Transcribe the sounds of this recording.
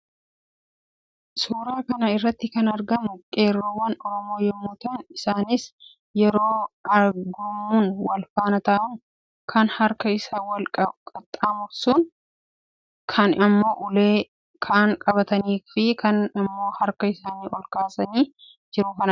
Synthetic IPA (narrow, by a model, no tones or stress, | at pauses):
suːɾaːkɐnɐɪrːɐt̪ːɪkɐnɐɾɡɐmʊkʼe̞ːrːoːwɐnɔɾɔmo̞ːjɛmːʊːt̪ɐnɪsaːnɪs | jɛɾo̞ːɐɾɡʊmːuːnwɐlfaːnɐt̪aːʔʊn | kʰɐnhɐɾkɐɪsaːwɐlkʼɐkʼɐt̪ʼːaːmʊfsʊn | kʰɐnʔɐmːo̞ːʔʊleː | kʰaːŋkʼɐbɐt̪ɐniːfɪkʰɐnɐmːo̞ːhɐɾkɐɪsaːniːʔɔlkaːsɐniː | d͡ʒɪɾʊkɐnɐ